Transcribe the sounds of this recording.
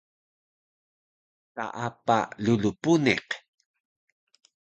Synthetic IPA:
sa̰ʔapa̰ʎulupunḛq

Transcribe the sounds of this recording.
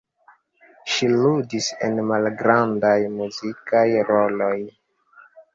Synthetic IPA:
ʃiludise̞̰nmalɡɾandajmuzikajɾo̞lo̞j

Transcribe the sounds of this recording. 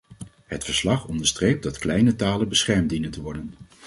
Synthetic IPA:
ɦətfəɹslɑχɔndəɹstrejp̚dɑtklɛjnətaːlənbəsχɛɹmdinəntəʋɔɹdən

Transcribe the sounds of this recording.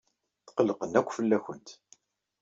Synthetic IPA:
θqəlːəqənækʷːfəlːæçənt̪

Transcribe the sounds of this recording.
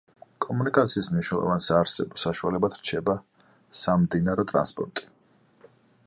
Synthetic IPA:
kʼɔmunikʼat̪sʰiːsmniʃnɛlˠɔ̰vansaːɾsɛbɔsaʃualɛbad̪ʰɾ̥t͡ʃʰɛba | samd̪inaɾɔt̪ʼɾa̰nspʼɔ̰ɾt̪ʼi̥

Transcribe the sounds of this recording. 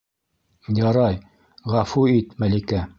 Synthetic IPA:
jɑɾɑj | ʁæfuit̪mælikæ

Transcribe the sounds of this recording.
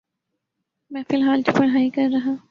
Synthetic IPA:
mɛ̃ːfɪlɦaːlkipɐɽ̤ɦaːikɐɾːɐɦaː

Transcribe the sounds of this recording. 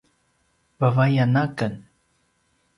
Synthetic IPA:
bavajanakən

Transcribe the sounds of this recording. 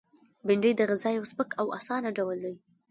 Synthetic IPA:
bɪɳɖəjd̪əɣazɑjawsbəkʰawa̰sɑnaɖawəld̪aj

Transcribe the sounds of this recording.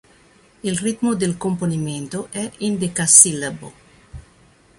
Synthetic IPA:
ilrit̪mod̪elkomponiment̪oʔɛʔind̪ekasilabo̰

